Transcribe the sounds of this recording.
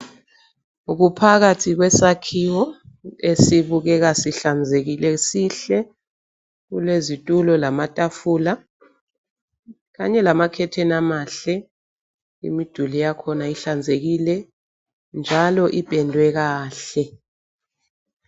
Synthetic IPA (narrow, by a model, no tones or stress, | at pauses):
uk̬upʰak̬atʰik̬wɛsakʰiwɔesiɓuk̬ɛk̬asiɬand͡zʱek̬ilɛsiɬɛ | kṵlezitʼulɔlamatʼafuːla | k̬aɲɛlamakʰɛtʰɛnamaɬɛ | ḭmid̥ʱulijakʰɔnaiɬand͡zʱek̬ilɛ | nd͡ʒʱalɔʔipʼɛndʱwɛk̬aːɬɛ